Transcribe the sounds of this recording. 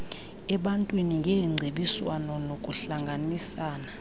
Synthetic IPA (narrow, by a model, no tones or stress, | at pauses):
ɛɓantʼwiniŋɡʱɛŋ͡ǀʱeɓiswanɔlokʼuɬaŋɡʱanisaːna